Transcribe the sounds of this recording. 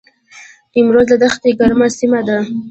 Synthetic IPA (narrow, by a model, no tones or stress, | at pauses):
ɪmɾozlad̪axt̪eɡaɾmasimad̪a